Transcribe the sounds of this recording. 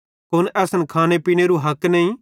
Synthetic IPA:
kʊnɛːsənkʰaːnepiːñeɾuɦɐknɐĩ

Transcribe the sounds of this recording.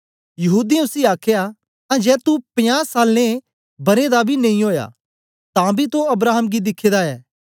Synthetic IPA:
jɐɦuːd̪iʊsiaːkʰeja | t̪ãːd͡ʒɛːt̪upɪ̃jãsaːlnẽ | bɐɾed̪abʱinɐ̃ĩɦoːja̰ | t̪ãbʱit̪oɐbɾaːɦəmɡid̪ɪkʰːed̪aɛː

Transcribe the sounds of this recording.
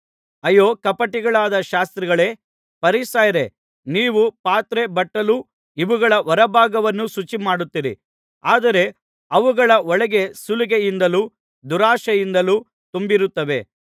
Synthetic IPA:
ɐjoːkɐpɐʈiɡɐɭaːd̪ɐʃaːst̪ɾiɡɐɭe̞ | pɐɾisaːjɐɾe̞ | niːʋupaːt̪ɾe̞bɐʈːɐlu | iʋuɡɐɭɐʔɔɾɐbʱaːɡɐʋɐnːusut͡ʃimaːɽut̪ːiɾḭ | aːd̪ɐɾe̞ | ɐʋuɡɐɭɐɔɭɐɡe̞suliɡejind̪ɐluː | d̪uɾaːʃɐjind̪ɐluː | t̪umbiɾut̪ːɐʋe̞̰

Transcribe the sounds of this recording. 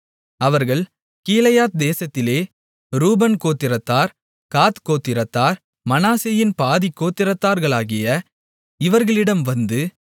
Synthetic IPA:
ɐʋɐɾɣɐɭ | kiːlɐjaːt̪̚d̪eːsɐt̪ːɪleː | ɾuːbɐnkoːt̪ːɪɾɐt̪ːaːɾ | kaːt̪koːt̪ːɪɾɐt̪ːaːɾ | mɐnaːsejɪnpaːðikːoːt̪ːɪɾɐt̪ːaːɾɣɐɭaːɣɪjɐ | ɪʋɐɾɣɐɭɪɽɐmʋɐnd̪ɯ

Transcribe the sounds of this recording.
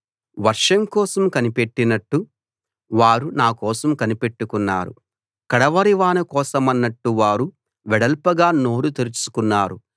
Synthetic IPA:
ʋɐɾʂɐmkɔːsɐmkɐnipe̞ʈːinɐʈːu | ʋaːɾunaːkɔːsɐmkɐnipe̞ʈːukunːaːɾṵ | kɐɽɐʋɐɾiʋaːnɐkɔːsɐmɐnːɐʈːuʋaːɾu | ʋɛɽɐlpɐɡaːnoːɾut̪eɾit͡ʃu̥kunːaːɾu

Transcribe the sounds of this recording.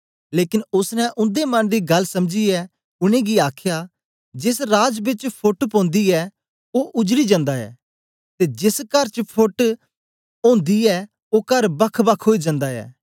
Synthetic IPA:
leːkɪnʊsnɛ̃ʔʊ̃nd̪emɐnd̪iːɡɐlsɐmd͡ʒiɛː | ʊñẽːɡiaːkʰjaː | d͡ʒɪsɾaːd͡ʒbɪt͡ʃpʰʊʈpõːnd̪iɛː | oːʔʊd͡ʒɾid͡ʒə̃nd̪aɛ̰ː | t̪eːd͡ʒɪskɐɾt͡ʃpʰʊʈ | õːnd̪iɛː | oːkɐɾbɐkʰbɐkʰːɦoːid͡ʒə̃nd̪aɛ̰ː

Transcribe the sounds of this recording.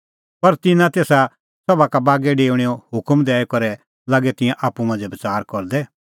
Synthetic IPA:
pɐɾt̪ɪnãt̪eːsa | sɐbakabaːɡɛɖeːɽ̃iːɔhʊkmd̪ɛːɛkɔɾɛ | laːɡɛt̪ɪ̃jãʔaːpːumãːnd͡zɛbɐt͡saːɾkɔɾd̪ɛ

